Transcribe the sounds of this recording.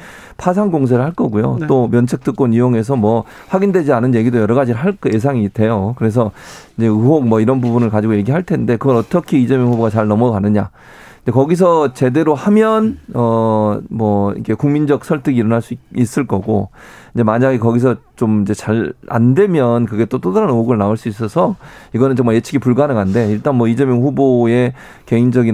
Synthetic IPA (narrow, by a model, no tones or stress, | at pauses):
pʰas̬ʰaŋɡoŋs̬ʰeɾɯɭhaɭk͈ʌɡujo̰tt͈omjʌnt͡ɕʰek̚t͈ɯk͈onijoŋe̞s̬ʰʌmwʌ | ɸwaɡindwe̞d͡ʑianɯnje̞ɡidojʌɾʌɣad͡ʑiɾɯɭɦaɭkje̞s̬ʰaŋiːtʰe̞jokɯɾe̞s̬ʰʌid͡ʑe̞ɯɦok̚mwʌiɾʌnbubunɯɭkad͡ʑiɡoje̞ɡiɦaɭtʰe̞nde̞kɯɡʌɾʌt͈ʌkʰiːd͡ʑemjʌŋɦuboɡat͡ɕaɭnʌmʌkanɯɲa | ind͡ʑe̞kʌɡis̬ʰʌt͡ɕe̞de̞ɾohamjʌnʌmwʌḭkʰe̞kuŋmind͡ʑʌk̚sʰʌɭtʰɯɡiːɾʌnɦaɭs͈uis͈ɯɭk͈ʌɡo̰ind͡ʑe̞maɲaɡikʌɡisʰʌt͡ɕomind͡ʑe̞t͡ɕaɭa̰nde̞mjʌnkɯɡe̞t͈ot͈odaɾanɯɦoɡɯɭnaoɭs͈uis̬͈ʌsʰʌiɡʌnɯnt͡ɕoŋmojet͡ɕʰiɡipuɭɡanɯŋande̞iɭt͈anmwʌid͡ʑemjʌŋɸuboe̞ | ke̞ind͡ʑʌɡi